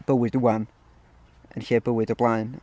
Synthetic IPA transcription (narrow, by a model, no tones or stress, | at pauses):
b̥əwɪduwan | ə̰nɬeːbəwɨdɔblˠaɨn